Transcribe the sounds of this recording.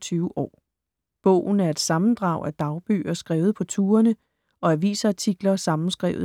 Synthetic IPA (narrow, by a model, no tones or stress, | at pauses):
t͡sʰyːʊʔɒ̰ː | b̥ɔ̰̽ʊ̰n̩æɐe̝d̥sɑ̈mn̩d̥ʁɑ̈ʊæd̥ɑ̈ʊb̥y̰ːɐsɡ̥ʁɛːʊð̩ˠpʰɒ̽t͡sʰuːɐnə | ɒ̽æʋḭːsɐt͡sʰiɡ̥lɐsɑ̈mn̩sɡ̥ʁɛ̰ːʊ